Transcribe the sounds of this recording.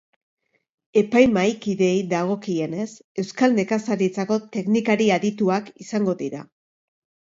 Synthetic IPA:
e̞pajmajkiðe̞jðaɣ̞o̞kie̞ne̞s | e̞wskalne̞kasaɾit͡sako̞t̪e̞knikaɾiaðit̪uakisaŋɡo̞ðiɾa̰

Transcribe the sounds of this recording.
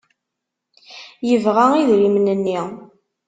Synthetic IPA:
jəvʁaiðɾimnənːi

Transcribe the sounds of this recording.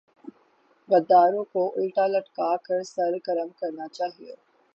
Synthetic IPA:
bɐd̪ːaːɾõkoʔʊlʈaːləʈkaːkəɾsɐɾɡəɾəmkɐɾnat͡ʃaːɦio

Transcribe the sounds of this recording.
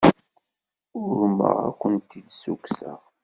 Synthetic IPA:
ʊɾmə̰ʁæ̰kʷənt̪id̪suksəʁ

